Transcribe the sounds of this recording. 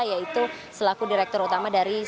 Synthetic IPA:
jait̪usəlakudiɾɛk̚t̪ɔɾut̪amadaɾi

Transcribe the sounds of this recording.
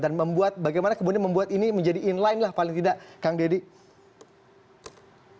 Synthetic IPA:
danməmbuat̪̚baɡajmanakəmudinɲanməmbuat̪iniməɲd͡ʒadiʔːnlajnlahpalɪŋt̪idaʔkaŋdedi

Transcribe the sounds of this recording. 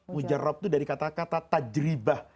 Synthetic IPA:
mud͡ʒarːɔp̚t̪udaɾikat̪akat̪at̪ad͡ʒɾibah

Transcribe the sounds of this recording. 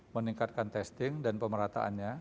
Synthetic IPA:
məniŋkat̪̚kant̪ɛst̪ɪŋdanpəməɾat̪a̰ʔa̰nɲa

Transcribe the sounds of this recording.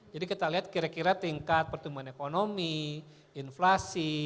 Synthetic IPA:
d͡ʒadikit̪aliɦat̪̚kiɾakiɾat̪iŋkat̪̚pərt̪umbuanekonomi | inflasi

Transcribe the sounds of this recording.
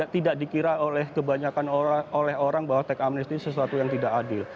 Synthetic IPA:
aʔt̪idaʔdikiɾaolɛhkəbaɲakanolɛɦoɾaŋbaɦwat̪ɛkamnist̪isəsuat̪ujaŋt̪idaʔkadɪl

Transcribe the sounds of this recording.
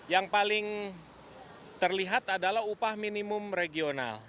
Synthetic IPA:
jaŋpalɪŋ | t̪ərliɦat̪adalahupahminimʊmɾeɡiona̰l

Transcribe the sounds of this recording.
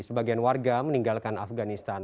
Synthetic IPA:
səbaɡianwarɡaməniŋɡalkana̰fɡanist̪an

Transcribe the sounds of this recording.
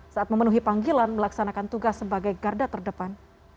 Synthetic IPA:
saat̪̚məmənuɦipaŋɡilanməlaksanakant̪uɡasːəbaɡajɡardat̪ərdəpan

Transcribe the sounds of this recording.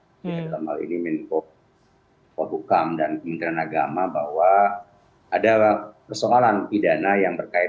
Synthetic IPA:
it̪ək̪amalḭnimɛnkɔ | kɔɦukamdankəmənt̪ɾanaɡamabahwaː | dapərsoalanpidanajaŋbərkaɪ

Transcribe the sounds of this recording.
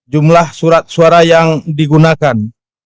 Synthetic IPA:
d͡ʒumlahsuɾat̪̚suaɾajaŋdiɡunakan

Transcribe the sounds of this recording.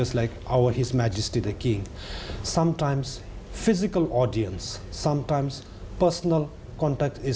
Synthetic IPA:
ʌslaɪkaʊəhɪzmæd͡ʒɪsʈid̪əkĩŋsʌ̃mʈãɪ̃ms | fɪzikəlɔɖiə̃nsːʌ̃mʈãɪ̃ms | pəsnəl | kɔ̃ɳʈɛk̚ʈɪ

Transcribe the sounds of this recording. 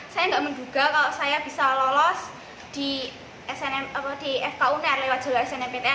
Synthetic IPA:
sajaŋɡaʔmənd͡ʒuɡ̥a̤kaloʔsajab̥i̤salɔlɔs | d̪̥i | ɛsɛnɛmapɔd̪̥iɛfkaunɛrlewat̪̚ʒ̥a̤laɛsɛnɛmpet̪ɪ

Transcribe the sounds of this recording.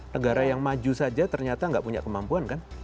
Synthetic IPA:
nəɡaɾajaŋmad͡ʒusad͡ʒat̪ərɲat̪aŋɡaʔpuɲa̰ʔkəmampuankan

